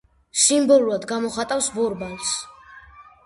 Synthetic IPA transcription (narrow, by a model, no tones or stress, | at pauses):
simbɔlˠuɾad̪ɡamɔχat̪ʼafsvɔɾbals